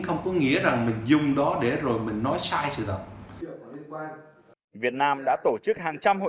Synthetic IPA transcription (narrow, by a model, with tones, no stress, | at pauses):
xə˧wŋ͡mkɔ˨˦ŋḭ˧˥əza˨˩ŋmï˨˩ŋ̟zʊ˨˩ŋ͡mɗɔ˨˦ɗe˧˩zo˨˩jmï˨˩ŋ̟nɔ˨˦jsaː˧jsɨ̰˧˨t̪ʰə˨˩t̚ː | vi˨˩ət̚naː˧mɗa̰ː˧˥t̪o˧˩t͡ɕɨ˦˥k̚haː˨˩ŋt͡ɕa˧mho̰˧˨